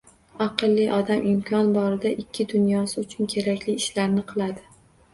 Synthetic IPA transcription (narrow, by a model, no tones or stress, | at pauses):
aqɨlˠːɪʔɒd̪amʔɪmkʲʰɒnbɒɾɪd̪aʔɪkʲʰːɪd̪ʊnjɒsɪʊt͡ʃʰʊnkʲʰe̞ɾakʲlɪːʃlaɾnɪqʰɨlˠad̪ɪ